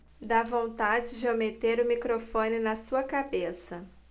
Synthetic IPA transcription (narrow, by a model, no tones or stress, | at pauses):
d̪avõñt̪ad͡ʒɪd͡ʒɪomet̪eɾʊmikɾofõnɪnɐsuɐkabesɐ